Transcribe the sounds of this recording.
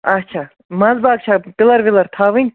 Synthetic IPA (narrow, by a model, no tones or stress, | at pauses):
ɐt͡ʃʰaː | mɐzbaːk̚t͡ʃʰaːpilɐɾʋilɐɾt̪ʰaːʋɨnʲ